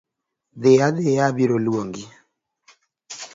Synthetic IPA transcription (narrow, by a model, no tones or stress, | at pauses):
d̪ɪjad̪ejabiɾolwoŋɡi